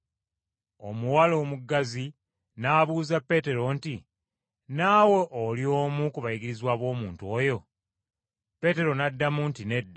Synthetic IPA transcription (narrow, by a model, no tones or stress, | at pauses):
o̞̰muwalo̞ːmuɡːazi | naːβuːzapːe̞ːte̞ɾo̞nti | naːwe̞ʔolio̞ːmukuβajiɡiɾizwaːβo̞ːmuːntuo̞jo̞ | pe̞te̞ɾo̞nadːamuntine̞dː